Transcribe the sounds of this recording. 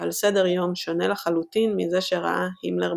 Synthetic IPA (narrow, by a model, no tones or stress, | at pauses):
alsedeʁjo̞mʃo̞nelaχalut̪inmize̞ʃeʁa̰ʔahimleʁ